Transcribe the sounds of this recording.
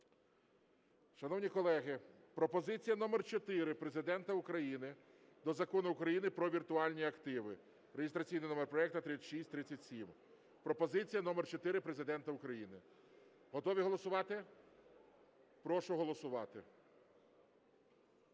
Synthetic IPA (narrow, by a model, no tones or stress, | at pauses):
ʃɐnɔwnʲikɔlˠɛɦɪ | pɾɔpɔzɪt͡sʲijɐnɔmɛrt͡ʃɔt̪ɪɾɪpɾe̞zɪd̪ɛnt̪ɐʊkɾɐjinɪd̪ɔzɐkɔnʊʊkɾɐjinɪpɾɔʋʲirt̪ʊɑlʲnʲiɐkt̪ɪʋɪ | ɾeɦʲɪst̪ɾɐt͡sʲijnɪnɔmerpɾɔɛkt̪ɐt̪ɪt͡sʲːʃisʲtʲt̪ɾɪt͡sʲːɐtʲsʲim | pɾɔpɔzɪt͡sʲijɐnɔmɛrt͡ʃɔt̪ɪɾɪpɾe̞zɪd̪ɛnt̪ɐʊkɾɐjinɪ | ɦɔt̪ɔʋʲiɦɔlˠɔsʊʋɑt̪ɪ | pɾɔʃʊɦɔlˠɔsʊʋɑt̪ɪ